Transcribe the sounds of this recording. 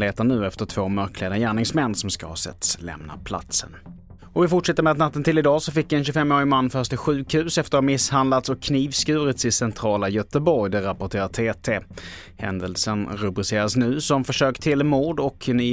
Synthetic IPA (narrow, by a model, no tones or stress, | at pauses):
leːt̪əɳʉ̟ːɛft̪əʈʰv̥oːmœɾkʰleːd̪ajæːɳɪŋsmɛnːsɔmskahɑ̰ːsɛ̰t̪ːslɛ̰mna̰pʰla̰t̪sə̰n | ɔvɪfʊʈʂɛt̪ːəɾmɛad̪nat̪ːənt̪ɪlɪd̪ɑːsɔfɪkːvɪɛnɕɵfɛmːoːɾɪmanːfœʂʈ̪ɪɧʉ̟ːkhʉ̟ːsɛft̪əɾhamɪshand̪lat̪sɔkʰːniːvskʉ̟ːɾɪt̪sɪsɛnt̪ʰɾɑːlajœt̪əbɔɾjd̪ɛɾapɔʈʰeːɾat̪ʰeːt̪ʰeː | hɛ̰nd̪əlsənɾɵbɾɪseːɾasnʉ̟ːsɔmfœʂøːkt̪ʰɪlmuːɖɔkni